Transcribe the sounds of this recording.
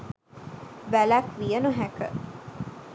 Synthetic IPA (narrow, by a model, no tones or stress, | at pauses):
ʋælækʋijənuɦækə̰